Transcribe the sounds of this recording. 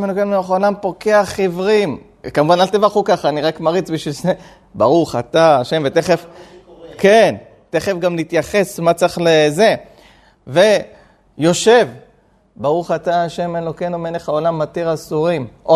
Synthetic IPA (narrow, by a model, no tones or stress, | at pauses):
menokenmenoχaolampo̞ke̞aχivʁim | kamuvanalt̪evaχukaχaːniʁakmaʁit͡sbiʃvilze | baʁuχat̪aːʃe̞mvet̪eχef | ke̞n | t̪eχefɡamlit̪jaχe̞smat͡saχleze̞ | ve̞ | jo̞ʃe̞v | baʁuχataaʃe̞menlokenomenleχaolamːat̪iʁasuʁimʔo